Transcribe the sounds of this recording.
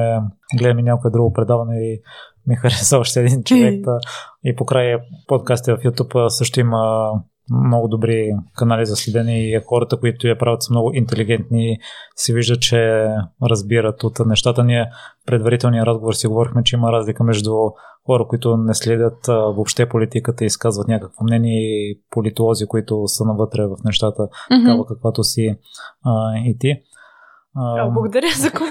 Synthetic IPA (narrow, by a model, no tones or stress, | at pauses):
ɛɡlɛd̪ɐminʲjakoɛd̪ɾuɡopɾɛd̪avɐnɛi | mixɐɾɛsavɐʃt̪ɛɛd̪int͡ʃovɛk̚tt̪ipokɾajpot̪̚kast̪ivɐfjut̪ʲupːsɤʃt̪ʊimə | mnɔɡʊd̪obɾikɐnalizɐslʲɛd̪ɛniixɔɾɐt̪əkoit̪ʊjɐpɾavʲɐt̪səmnɔɡʊʔint̪ɛliɡ̟ɛnt̪nisɛviʒd̪ət͡ʃɛɾɐzbiɾət̪ot̪nɛʃt̪at̪əniɛpɾɛd̪vɐɾit̪ɛlˠnijəɾazɡovoɾsiɡovɔɾixmɛt͡ʃɛiməɾazlikəmɛʒd̪uxɔɾəkoit̪ʊnɛslɛd̪ʲət̪vopʃt̪ɛpolit̪ikət̪əiskazvɐt̪nʲakəkvomnɛniɛpolit̪ʊlˠɔzikoit̪ʊsənɐvɤt̪ɾɛvɐfnɛʃt̪at̪ət̪kavəkəkvat̪osi | it̪i | ɐɡʊd̪ɐɾʲəzɐk